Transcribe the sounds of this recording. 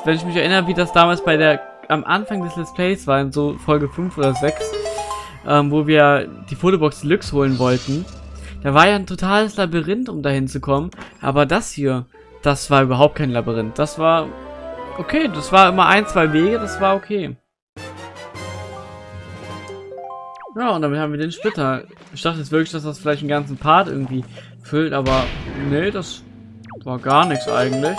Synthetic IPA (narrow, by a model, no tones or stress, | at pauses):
vɛnɪç̬mɪçɛɐʔɪnəʁəviːdasd̥aːmaːlsb̥aɪdeːɐ | ʔamʔa̰nfaŋdɛslɪspl̥ɛɪsv̥aːɐɪnzoːfɔlɡəfʏnfʔoːdɐzɛks | ʔɛːmvoːviːɐd̥iːfoːtobɔksd̥ilʏkshoːlənvɔltn̩d̥aːvaːɐjaːntʰotʰaːləslabiʁɪntʊmdahɪnt͡sukʰɔmənʔa̰ːbɐdashiːɐ | d̥asv̥aːɐyːbɐɦaʊp̚tkʰaɪnlabiʁɪnt̚d̥asv̥aːɐ | ʔokʰeːdasv̥aːɐʔɪmɐʔa̰ɪnt͡sv̥aɪveːɡəd̥asv̥aːɐokʰeː | jaːʊntd̥amɪthaːm̩viːɐdeːnʃpɪtɐ | ʔɪçd̥aχtəjɛt͡sv̥ɪɐklɪçd̥as̬d̥asfɪlaɪçtn̩ɡant͡sn̩pʰaɐtʔɪ̰ɐɡŋ̩tv̥iː | fʏltʔaːbɐnədas | vaːɐɡaːɐnɪçsʔa̰ɪɡŋ̩tlɪç